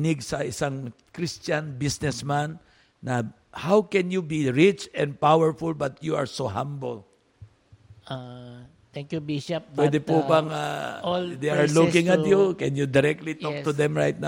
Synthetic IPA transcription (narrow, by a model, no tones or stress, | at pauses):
nɪɡsɐʔɪsaŋ | kɾist͡ʃanbisnɛsmanː | ɐ | hawkɛnjubiɹɪt͡ʃɛ̃nd̪̚pawɛɹfʊlbɐt̪jua̰ɹsoɦãmbol | a | t̪ɛŋkjubiʃɛp̚wɛd̪ɛpubaŋa̰ | d̪eaɹlukɪ̃ŋɐt̪jukɛnjʊd̪ɪɾɛk̚t̪lit̪ɔk̚t̪ʊd̪ɛmɹajt̪̚na